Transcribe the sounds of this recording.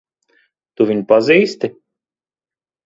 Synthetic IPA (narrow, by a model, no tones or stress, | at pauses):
t̪uviɲpaziːst̪i